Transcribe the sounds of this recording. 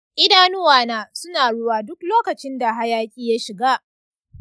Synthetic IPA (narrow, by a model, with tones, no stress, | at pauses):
ʔɪ˦daː˦nʊ˦waː˨naː˦sʊ˦naː˨ɽʊ˦waː˦dʊ˦kloː˦kɐ˨t͡ʃɪ˦nda˨ɦa˦jaː˦kʲʼiː˦ja˦ʃɪ˨ɡaː˦ʔ